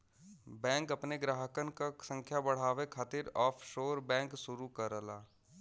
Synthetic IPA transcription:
bɛ̃ːŋkɐpneɡɾaːɦəkənkasə̃ŋkʰjabɐɽ̤aːʋekʰaːt̪ɪɾɔːfʰʃoːɾbɛ̃ːŋksʊɾukɐɾəlaː

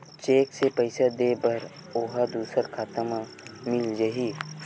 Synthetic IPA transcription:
t͡ʃeːksepəɪsad̪eːbəɾ | oɦad̪uːsəɾkʰaːt̪əma | mɪld͡ʒəɦiː

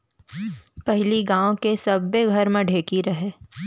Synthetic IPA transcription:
pɛɦliɡãːõkesɐbːeɡʱɐɾmẽɖʱeːkiɾɐɦeː

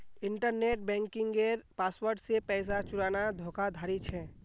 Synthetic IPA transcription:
ɪɳʈəɾneːʈ̚bɛ̃ːŋkɪ̃ŋɡeɾpaːswəɾɖsepɛɪs̬at͡ʃʊɾaːnad̪ʱoːkad̪ʱaːɾit͡ʃʰɛː

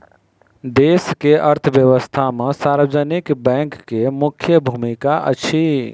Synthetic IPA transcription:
d̪eːskeʔəɾt̪ʰəʋjəʋəst̪ʰamẽsaːɾʋəd͡ʒənɪkbɛ̃ːŋkːemʊkʰjəbʱumikaʔə̰t͡ʃʰi

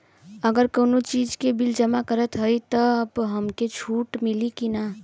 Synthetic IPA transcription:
əɡəɾkəwnot͡ʃid͡ʒkebild͡ʒəmakəɾət̪ɦəjt̪əəbɦəmket͡ʃʰuʈmilikina

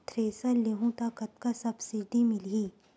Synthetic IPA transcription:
t̪ʰɾeːsɐleɦũt̪akɐt̪̚kasɐbsɪɖimɪliː

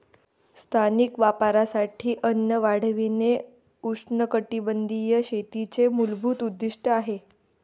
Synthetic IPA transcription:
st̪ʰanikʋapaɾasaʈʰiːʔənjəʋaɽ̤ʋine | uʂɳəkəʈibənd̪ʱijəɕet̪it͡semulbʱuːt̪ud̪ːiʂʈʰəaɦe

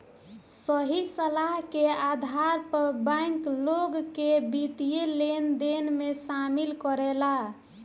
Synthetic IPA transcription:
səɦisəlaɦkead̪ʱaɾpəɾbãŋkloɡkebit̪ijelend̪enmesamilkəɾɛla

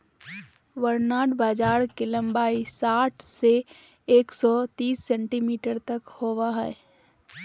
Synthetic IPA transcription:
ʋəɾnaːɖbaːd͡ʒaːɾkelə̃mbaːisaːʈʰse | eːksɔt̪iːsːɛ̃ɳʈimiːʈəɾt̪ɐkhoːʋaɦɛ

